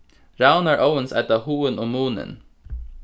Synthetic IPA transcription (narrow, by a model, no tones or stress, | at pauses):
ɹaʊnæɹʔoʊənsæ̰t̪ɑhuːənoːmuːnə̰n